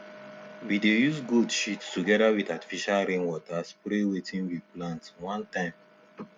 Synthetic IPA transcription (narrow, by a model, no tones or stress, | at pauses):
widejuzɡudʃittuɡɛɾawidati̥fiʃalɾẽnwɔtaspɾewetĩnwiplãntwãntãɪ̃m